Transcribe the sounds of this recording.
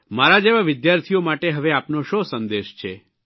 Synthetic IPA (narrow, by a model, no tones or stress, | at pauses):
maɾad͡ʒeʋaʋɪd̪jaɾt̪ʰijomaʈeɦəʋeapnoʃosənd̪eʃt͡ʃʰe